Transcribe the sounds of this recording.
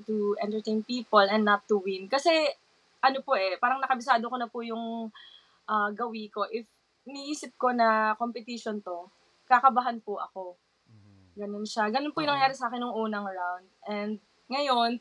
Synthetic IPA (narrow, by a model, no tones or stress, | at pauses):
t̪uʔɛnt̪ɛɹt̪ej̃npiːpolɛnnːɐt̪ːʊwɪnkɐsɛ | ʔɐnopoʔɛpaːɾɐŋnɐkɐbɪsaːd̪okonɐpʊjʊŋ | ʔaːɡɐwiko̞ʔɪf | niʔiːsɪp̚ko̞nɐko̞mpɛt̪iʃont̪o̞ | kakɐbaɦanpʊʔɐ̰ko̞ | ɡɐno̞nʃaɡɐnonpʊjʊnɐŋjaːɾɪsɐaːkɛnjʊŋʔuːnɐŋɹawnd̪̚ʔɛnd̪̚ | ŋɐjo̞n